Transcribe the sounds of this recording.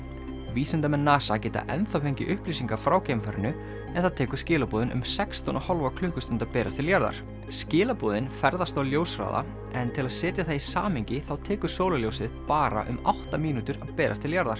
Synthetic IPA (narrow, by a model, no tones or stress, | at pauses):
viːsɛnt̪amɛnːaːsacɛːt̪a̰ʔɛnθafejɲcɪ̰ʔʏhpliːsiŋkḁfɾaːwcejmfaɾɪnʏ | ɛnθaðt̪ʰɛːkʏɾ̥scɪːlapɔːðɪnʔʏ̰msɛkst̪ɔnahɔlvakʰlʏhkʏst̪ʏnt̪apɛːɾast̪ʰɪljaɾða̰ɾ̥ | scɪːlapoːðɪnfɛɾðast̪awljoːwsɾa̰ːða̰ | ɛnt̪ʰɪlaðsɛːt̪jaθaisaːmɪɲcɪθawt̪ʰɛːkʏ̥soːwlaljoːwsɪðpaːɾa̰ʔʏ̰mawht̪amiːnut̪ʏɾaðpɛːɾʔast̪ʰɪljaɾðaɾ̥